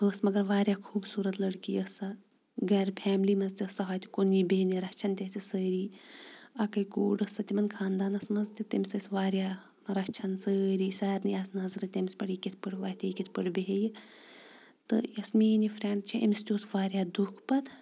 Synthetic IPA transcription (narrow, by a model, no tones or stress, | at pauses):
əːsmɐɡɐɾʋaːɾʲjaːkʰuːbsuːɾɐt̪lɐɽkiːəsɐ | ɡɐɾpʰɛːmlimɐzt̪ʲiɐsɐɦɐːjt̪u̥konibeɦniɾɐt͡ʃʰɐnt̪ʲeːsisəːɾiː | ɐkɐjkoːɽɐsɐt̪ʲimɐnkʰaːnd̪aːnɐsmɐzt̪ʲit̪imʲsɐsʋaːɾjaː | ɾɐt͡ʃʰɐnsəːɾiːsaːɾnɨjaːsnɐzɾɨt̪ʲɐmʲspɐɽikit̪ʰpəʈʋaːt̪ʲikit̪ʰpəɽbeɦeji | t̪ɨ̰jɐsmiːnifʰɾeɳɖt͡ʃʰiʔɐ̰mist̪ʲoːsʋaːɾjaːd̪ukʰpɐt̪